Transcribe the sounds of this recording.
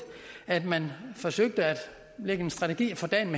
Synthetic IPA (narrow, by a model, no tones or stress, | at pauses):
æd̥mænfɒ̽søɡ̥̚d̥əæd̥ | leɡ̥əe̝nsd̥ʁɑ̈t͡sʰeɡ̥ḭːfɒ̽d̥ɛ̰ːnme